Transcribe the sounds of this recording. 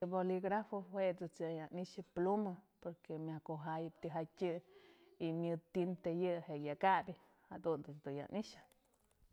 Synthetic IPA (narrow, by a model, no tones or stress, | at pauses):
boliɡɾafoweʔd̪ɨt͡sjajaniʃɨplumapoɾkemʲakoɦajɨpt̪iɦatʲɨ | imjɨt̪int̪ejɨhejakabʲi | had̪und̪ɨt͡sd̪uja̰niʃɨ̥